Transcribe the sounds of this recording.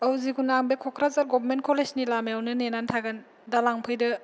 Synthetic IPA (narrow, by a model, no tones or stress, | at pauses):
awziɡunaŋbekʰɔkʰɾazaɾɡɔbɾment̚kʰɔlesnilamejawnɯnenantʰaɡɯn | dalaŋpʰɯjdɯ